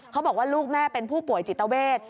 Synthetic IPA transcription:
kʰa˦˥bɔː˨˩k̚waː˥˩luː˥˩k̚mɛː˥˩pe˧npʰuː˥˩pu˨˩əjt͡ɕi˨˩t̪ːa˧weː˥˩t̪̚

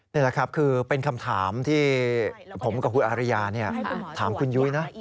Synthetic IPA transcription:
ni˥˩la˨˦kʰɾa˦˥p̚kʰɯː˧pe˧nkʰa˧mt̪ʰaː˩˦mt̪ʰiː˥˩pʰo˩˦mka˧˩u˧˥ʔaː˧ɾa˦˧jaː˧ni˥˩ɐt̪ʰaː˩˦mkʰu˧nju˦˥jna˦˥

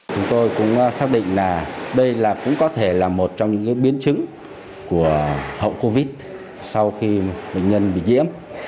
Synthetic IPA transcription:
t͡ɕʊ˨˦ŋ͡mt̪o˧jkʊ̰˧˥ŋ͡msaː˦˥k̚ɗḭ̈˧˨ŋ̟laː˨˩ɗə˧jlaː˨˩kʊ̰˧˥ŋ͡mkɔ˨˦t̪ʰe˧˩laː˨˩mo˨˩t̚t͡ɕɔ˧ŋ͡mɲɨ̰˧˥ŋkaː˨˦jɓi˨˦ənt͡ɕɨ˨˦ŋ | ku˧˩əhə̰˧˨wko˧vi˦˥t̚ | sa˧wxi˧ɓəḛ˧˨jŋ̟ɲə˧nɓḭ˧˨ɲḭ˧˥əm

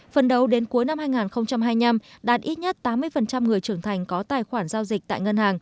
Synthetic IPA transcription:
fə˨˩nɗə˨˦wɗe˨˦nku˨˦əjna˧mhaː˧jŋaː˨˩nxə˧wŋ͡mt͡ɕa˧mɦaː˧jɲa˧mɗaː˨˩t̚ʔi˦˥t̚ɲə˦˥t̚t̪aː˨˦mːɨ˧əjfə˨˩nt͡ɕa˧mŋɨ˨˩əjt͡ɕɨ˧˩əŋt̪ʰa˨˩jŋ̟kɔ˨˦t̪aː˨˩jxwaː˧˩nzaː˧wzi˨˩k̚t̪a̰ː˧˨jŋə˧nhaː˨˩ŋ

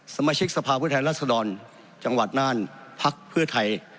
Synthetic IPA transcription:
sa˧maː˧˥t͡ɕʰi˦˥k̚sa˧pʰaː˧pʰuː˥˩t̪ʰɛː˧nɾaː˥˩t̪̚sa˧dɔː˧n | t͡ɕa˧ŋwa˨˩t̪̚naː˥˩npʰa˦˥k̚pʰɯ˥˩ɐt̪ʰa˧j

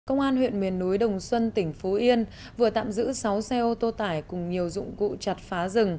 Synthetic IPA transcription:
kə˧wŋ͡mʔaː˧nhwḭ˧˨ənmi˨˩ənːu˨˦jɗə˨˩wŋ͡mswə˧nt̪ï˧˩ŋ̟fo˨˦ʔi˧ən | vɨ˨˩ət̪a̰ː˧˨mzɨ̰˧˥sa˨˦wsɛ˧ʔo˧t̪o˧t̪aː˧˩jkʊ˨˩ŋ͡mɲi˨˩əwzʊ̰˧˨ŋ͡mkṵ˧˨t͡ɕa˨˩t̚faː˨˦zɨ˨˩ŋ

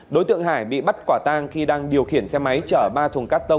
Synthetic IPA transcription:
ɗo˨˦jt̪ɨ̰˧˨ŋɦaː˧˩jɓḭ˧˨ɓa˦˥t̚kwaː˧˩t̪aː˧ŋxi˧ɗaː˧ŋɗi˨˩əwxi˧˩ənsɛ˧ma˨˦jt͡ɕəː˧˩ɓaː˧t̪ʰʊ˨˩ŋkaː˦˥k̚t̪ə˧wŋ͡m

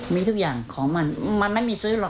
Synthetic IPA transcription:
miː˧t̪ʰu˥˩k̚jaː˨˩ŋkʰɔː˩˦ŋma˧nma˧nma˥˩jmiː˧sɯː˦˥lɔ˨˩

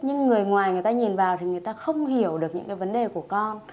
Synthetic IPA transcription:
ɲɨ˧ŋːɨ˨˩əjŋwaː˨˩jŋɨ˨˩əjt̪aː˧ɲi˨˩nvaː˨˩wt̪ʰi˨˩ŋɨ˨˩əjt̪aː˧xə˧wŋ͡mhi˧˩əwɗɨ˨˩ək̚ɲɨ̰˧˥ŋkaː˨˦jvə˨˦nɗe˨˩ku˧˩əkɔ˧n

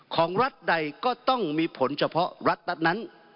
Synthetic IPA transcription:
kʰɔː˩˦ŋɾa˦˥t̪̚da˧jkɔː˥˩t̪ɔ˥˩ŋmiː˧pʰo˩˦nt͡ɕʰa˧pʰɔ˦˥ɾa˦˥t̪̚la˦˥t̪̚na˦˥n

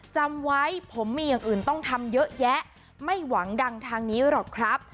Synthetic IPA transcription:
t͡ɕa˧mwa˦˥jpʰo˩˦mːiː˧jaː˨˩ŋʔɯː˨˩nt̪ɔ˥˩ŋt̪ʰa˧mjɤ˦˥ʔjɛ˦˥ʔ | ma˥˩jwa˩˦ŋda˧ŋt̪ʰaː˧ŋniː˦˥ɾɔː˨˩kkʰɾa˦˥p̚

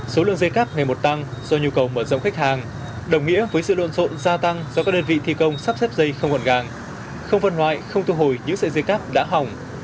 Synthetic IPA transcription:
so˨˦lɨ̰˧˨əŋzə˧jkaː˦˥p̚ŋa˨˩jmo˨˩t̚t̪a˧ŋz̥ɔ˧ɲu˧kə˨˩wməː˧˩zə̰˧˨wŋ͡mxa˦˥k̚haː˨˩ŋ | ɗə˨˩wŋ͡mŋḭ˧˥əvəː˨˦jsɨ̰˧˨lwo̰˧˨nso̰˧˨nzaː˧t̪a˧ŋzɔ˧kaː˦˥ɗəː˧nvḭ˧˨t̪ʰi˧kə˧wŋ͡msa˦˥p̚sɛ˦˥p̚zə˧jxə˧wŋ͡mkɔ˨˩nɣaː˨˩ŋ | xə˧wŋ͡mvə˧nlwa̰ː˧˨jxə˧wŋ͡mt̪ʰu˧ɦo˨˩jɲɨ̰˧˥ŋsə̰ː˧˨jzə˧jkaː˦˥p̚ɗa̰ː˧˥ɦa˨˩wŋ͡m

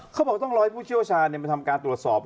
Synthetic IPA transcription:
kʰa˦˥wbɔː˨˩kt̪ɔ˥˩ŋɾɔː˧˥ha˥pʰuː˥˩t͡ɕʰi˥˩əwt͡ɕʰaː˧nːi˩ma˧nt̪ʰa˧mkaː˧nt̪ɾu˨˩ət̪̚sɔː˨˩p̚

